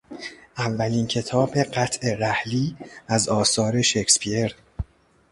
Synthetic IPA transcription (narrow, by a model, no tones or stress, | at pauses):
ʔævːæliːncʰe̞t̪ʰɒːbe̞ɢæt̪ʰʔe̞ɾæhliːæzɒːsɒːɾe̞ʃekspʰieɾ